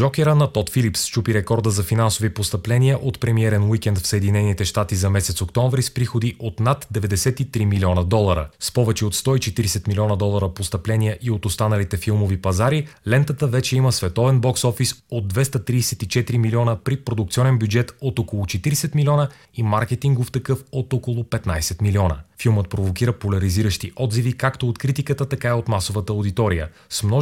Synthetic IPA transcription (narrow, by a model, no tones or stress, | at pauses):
ʒɔkʲɛɾənɐt̪ɔt̪filipst͡ʃupiɾɛkɔɾd̪əzɐfinansovipost̪ɐplɛniəʔot̪pɾɛmiɛɾɛnwikʲɛnt̪fsəɛd̪inɛnit̪ɛʃt̪at̪izɐmɛsɛt̪sokt̪ɔɱvɾispɾixod̪iʔot̪nat̪d̪ɛvɛd̪ɛsɛt̪it̪ɾimilʲiɔnəd̪ɔlˠəɾə̰spɔvɛt͡ʃɛot̪st̪ɔit͡ʃɛt̪iɾisɛt̪milʲiɔnəd̪ɔlˠəɾəpost̪ɐplɛnijəʔiot̪ost̪anəlit̪ɛfilˠmovipɐzaɾilɛnt̪ət̪əvɛt͡ʃɛiməsvɛt̪ɔvɛnbɔksɔfisod̪̚d̪vɛst̪ət̪ɾiːsɛt̪it͡ʃɛt̪iɾimiliɔnəpɾipɾod̪uk̚t̪siɔnɛnbʲjud͡ʒɛt̪ot̪ɔkolˠʊt͡ʃɛt̪iɾisɛt̪milʲiɔnə | imaɾkɛt̪iŋɡoft̪ɐkɤfot̪ɔkolˠʊpɛt̪najsɛt̪miliɔnə̰filˠmət̪̚pɾovokiɾəpolʲɐɾiziɾəʃt̪iʔɔd̪zivikakt̪oot̪kɾit̪ikət̪ət̪ɐkaiot̪masovət̪əod̪it̪ɔɾijə̰ | smnɔ